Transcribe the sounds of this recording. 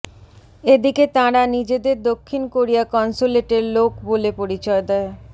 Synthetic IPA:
ed̪iket̪ãɾanid͡ʑed̪eɾd̪okʰːinkoɾijakɔnsuleʈeɾlokbolepoɾit͡ɕɔed̪ɛe

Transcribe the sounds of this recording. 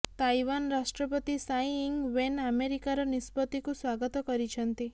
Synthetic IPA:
t̪ajwanɾasʈɾɔpɔt̪isajiŋɡwenameɾikaɾɔnispɔt̪ikuswaɡɔt̪ɔkɔɾit͡ʃʰɔnt̪i

